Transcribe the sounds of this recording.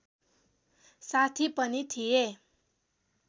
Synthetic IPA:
sat̪ʰipənit̪ʰie

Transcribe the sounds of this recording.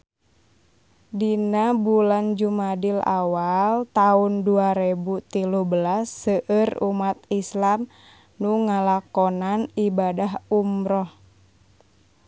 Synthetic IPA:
dinabuland͡ʒumadila̰walt̪aunduaɾebut̪iluhbəlasːəʔərumat̪islam | nuŋalakɔnanibadaɦumɾɔh

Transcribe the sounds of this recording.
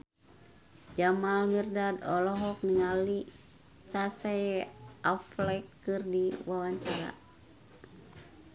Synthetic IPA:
d͡ʒamalmirdadɔlɔɦɔk̚niŋali | t͡ʃasɛʔaflɛkː | ɨrdiwawaɲt͡ʃaɾa̰

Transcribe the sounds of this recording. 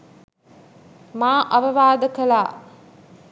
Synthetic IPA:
maːʔɐʋɐʋaːd̪əkɐlaː

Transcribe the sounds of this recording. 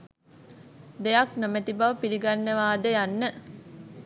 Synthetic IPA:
d̪ejaknomet̪ibaʋəpiliɡanːəʋaːd̪əjanːə

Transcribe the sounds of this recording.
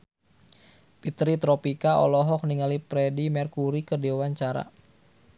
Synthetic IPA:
pit̪ɾit̪ɾɔpikaɔ̰lɔɦɔk̚niŋalipɾɛdimɛrkuɾikədewaɲt͡ʃaɾa̰

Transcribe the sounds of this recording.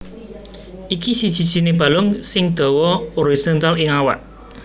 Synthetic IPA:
ʔikisid̥ʒ̥i̤d̥ʒ̥i̤neb̥a̤lʊŋsɪŋd̪̥ɔ̤wɔoɾisɔnt̪alɪŋawa̰ʔ

